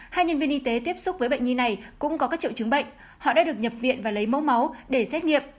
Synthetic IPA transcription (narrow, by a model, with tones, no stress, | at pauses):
haː˧jɲə˧nvi˧ənʔi˧t̪e˨˦t̪i˦˥əp̚sʊ˦˥k͡p̚vəː˨˦jɓə̰˧˨ŋ̟ɲi˧na˨˩jkʊ̰˧˥ŋ͡mkɔ˨˦kaː˦˥k̚t͡ɕḭ˧˨wt͡ɕɨ˨˦ŋɓə̰˧˨jŋ̟ | hɔ̰˧˨ɗa̰ː˧˥ɗɨ˨˩ək̚ɲə˨˩p̚vḭ˧˨ənvaː˨˩lə˨˦jmo̰˧˦wma˨˦wɗe˧˩sɛ˦˥t̚ŋi˨əp̚